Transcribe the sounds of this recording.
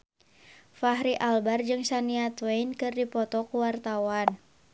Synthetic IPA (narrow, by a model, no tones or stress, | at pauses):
faɦɾiʔalbard͡ʒɨŋsaniat̪wɛjnkɨrdipɔt̪ɔkuwart̪awan